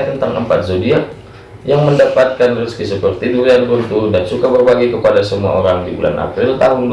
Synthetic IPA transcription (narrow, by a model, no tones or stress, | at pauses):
t̪ənt̪aŋʔə̰mpat̪̚zodia | jaŋməndapat̪̚kanrəskisəpərt̪iduɾianrunt̪ʊdansukabərbaɡikəpadasəmua̰oɾaŋdibulʔa̰na̰pɾɪlt̪aɦʊnd